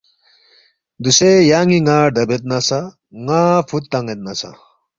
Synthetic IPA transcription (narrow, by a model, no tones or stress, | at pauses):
d̪usejaːŋiŋaːɖ̪ɐbet̪̚nɐsa | ŋaːfʰut̪ːɐŋet̪̚nɐsa̰